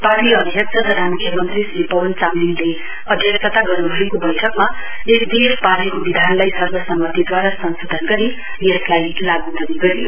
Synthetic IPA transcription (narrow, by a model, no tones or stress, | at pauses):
paʈiʌd̪ʱijʌk̚t͡sʌt̪ʌɾamukʰjʌmʌnt̪rislepʌbʌnt͡samlinle | ʌd̪ʱjʌksʌt̪aɡʌrnubʱʌekobʌjʈʰʌkma | esd̪espaɾekobid̪ʱanlajsʌrbʌsʌmːʌt̪id̪waɾasʌnsod̪ʱʌnɡʌɾi | jeslajlaɡud̪ʌniɡʌɾijo